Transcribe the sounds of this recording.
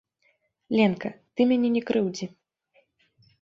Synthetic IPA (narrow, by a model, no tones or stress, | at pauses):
lʲɛnkɐt̪ɨmʲanʲɛnʲɛkɾʔɨwd͡zʲi